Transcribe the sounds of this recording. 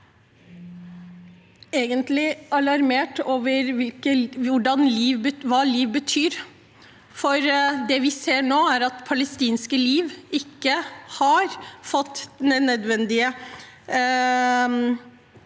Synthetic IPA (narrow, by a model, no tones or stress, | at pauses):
eːɡənt̪lɪɑlɑɾmeːʈoːʋəɾʋɪlkəʊɖɑnliːʋbʋɑːliːʋbət̪ʰyːɾ | fɔɾd̪ɛʋɪseːɳoːæɾɑt̪pʰɑləst̪iːnskəliːʋɪkːəhɑɾfɔt̪ːnɛnɛd̪ʋɛnd̪ɪə